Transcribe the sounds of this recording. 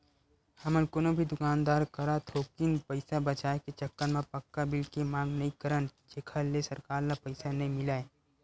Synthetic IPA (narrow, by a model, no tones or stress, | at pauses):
həmənkoːnobʱid̪ʊkaːnd̪aːɾkɐɾat̪ʰoːkinpəɪsabət͡ʃaːeket͡ʃəkːənmẽpɐkːabɪlkemãːŋɡnɐɦĩkəɾənd͡ʒeːkʰəllesɐɾkaːɾnapəɪsanɐɦĩmɪlaːe